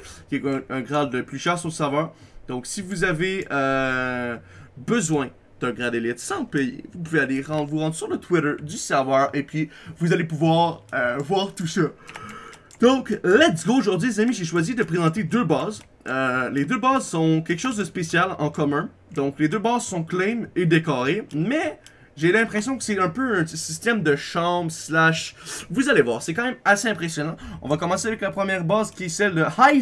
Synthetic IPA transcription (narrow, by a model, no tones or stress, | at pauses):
kʲiɛt̪ə̃ɡʁad̪ləplyʃɛːʁsɔ̃sɛʁvœːʁd̪̥ɔ̃ksivuzaveø | bəzwɛ̃ | d̪̥ə̃ɡʁad̪elɛt̪sɑ̃pejḛvupuvealeʁɑ̃d̪vuʁɑ̃d̪ʁsyʁlət̪ʰwɪɾə˞d̪ysɛʁvœːʁepɥivuzalepuvwaːʁøvwaːʁt̪usa | d̪ɔ̃klad̪iɡooʒɔʁd̪ɥilezamiʒeʃwazid̪əpχezɑ̃t̪ed̪øːbɑːz | øled̪øbazsɔ̃kʲɛlkʃozd̪əspesjalɑ̃kɔmɛ̃ | d̪ɔ̃kled̪øbaːzsɔ̃klɛmed̪ekɔʁemɛ | ʒelɛ̃pχesjɔ̃kə̥sɛɛ̃pøɛ̃ssist̪ɛmd̪əʃɑ̃bslaʃvuzalevwa̰ːʁsɛkɑ̃mɛ̃maseɛ̃pχesjɔnɑ̃ɔ̃vakɔmɑ̃seavɛklapχəmjɛːʁbaːzkʲiɛsɛld̪əhaj